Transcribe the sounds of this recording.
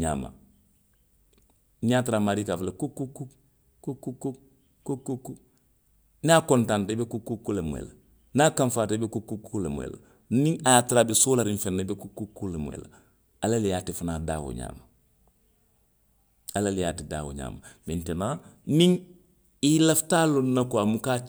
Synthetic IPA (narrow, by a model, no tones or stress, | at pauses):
ɲa̰ːma̰ | njatiɾamaɾikafalekukːukːu | kukːukːu | kukːukːu | nakontantebekukːukːulemo̰ḛla | naːkaɱfaːtbekukːukːulemo̰ḛla̰ | miŋajatiɾabisulaɾiɱfenːabekukːukːulemo̰ḛla̰ | alalijaːtifanada̰wo̰ɲa̰ːma | alalijaːtida̰ːwo̰ɲa̰ːmamentenamiŋ | ilaftalonnakoamuka